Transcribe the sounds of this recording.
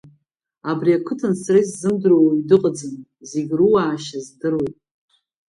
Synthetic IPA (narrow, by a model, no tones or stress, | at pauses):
abriakʷʰɨtʰansriszɨmdrowidɨqʼad͡zɨn | zeɡʲruwaːʃazdɨɾowpʼ